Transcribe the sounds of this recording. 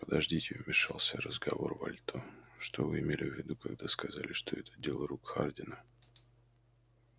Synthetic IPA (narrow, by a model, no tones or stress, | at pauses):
pəd̪ɐʐdʲitʲɪvmʲɪʂɑlˠsʲəɾəzɡɐvo̞̰rvɐ̰lʲt̪oʂt̪ovɨɪmʲelʲɪvʲːɪd̪ukaɡd̪askɐzalʲɪʂt̪oɛt̪ʰədʲelˠɾukxardʲɪnə